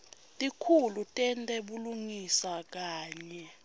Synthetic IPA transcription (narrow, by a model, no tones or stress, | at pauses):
tʼikʰulutʼɛntʼɛɓuluŋisak̬aːɲɛ